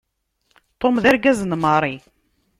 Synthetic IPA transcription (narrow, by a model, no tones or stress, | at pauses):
t̪ˤomðæɾɡæznməɾˤi